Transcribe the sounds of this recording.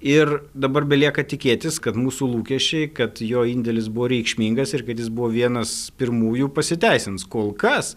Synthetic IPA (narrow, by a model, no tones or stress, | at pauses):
ɪrd̪ɐbɐrbʲɛlʲiɛkɐt̪ʲɪkʲeːt̪ʲɪskɐt̪muːsuːlˠuːkʲɛʃʲt͡ʃʲɛɪkɐt̪joːinʲd̪ʲɛlʲɪsbʊʋoːɾʲɛɪkʃʲmʲiŋɡɐsɪrkɐt̪jɪsbʊʋoːʋʲiɛnɐspʲɪrmuːjupɐsʲɪt̪ʲæɪsʲɪnskoːlˠkɐs